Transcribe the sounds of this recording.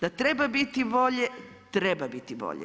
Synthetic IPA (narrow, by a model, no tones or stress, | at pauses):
d̪̥at̪ɾɛbabit̪ibɔʎɛ | t̪ɾɛbabit̪ibɔ̰ʎɛ̰